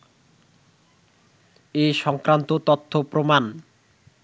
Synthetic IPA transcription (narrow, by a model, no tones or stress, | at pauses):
eʃɔŋkɾant̪ot̪ot̪ʰːopɾoman